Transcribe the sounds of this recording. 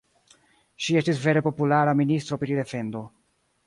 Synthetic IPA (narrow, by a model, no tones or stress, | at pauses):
ʃie̞stisve̞ɾe̞po̞pulaɾaministɾo̞pɾide̞fe̞ndo̞